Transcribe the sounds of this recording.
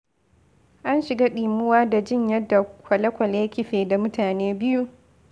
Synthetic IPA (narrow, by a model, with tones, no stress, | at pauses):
ʔa˦nʃɪ˨ɡaː˦ɗiː˨mʊ˦waː˦da˨d͡ʒɪ˦˨ɲjɐ˦dːa˨kʷɐ˨lɐ˦kʷɐ˨leː˦kʲɪ˦ɸeː˨da˨mʊ˦taː˨neː˦bɪ˦ju˦